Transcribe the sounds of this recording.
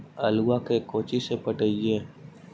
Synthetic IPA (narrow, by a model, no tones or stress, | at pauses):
əluwakekoːt͡ʃisepəʈəiẽː